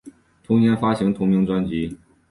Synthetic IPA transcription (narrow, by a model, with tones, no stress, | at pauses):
t̪ʰʊ˧˥ŋnjɛ˧˥nfa˥ɕi˧˥ŋt̪ʰʊ˧˥ŋmi˧˥ŋt͡swa˥nt͡ɕi˧˥